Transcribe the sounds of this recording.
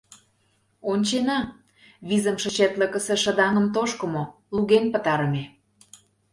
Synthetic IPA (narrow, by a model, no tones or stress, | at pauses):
onʲt͡ɕenɑ | βizə̆mʃə̆t͡ɕet̪ləkə̆sĕʃə̆d̪ɑŋə̆mt̪oʃkə̆mo | luɣenpə̆t̪ɑɾə̆me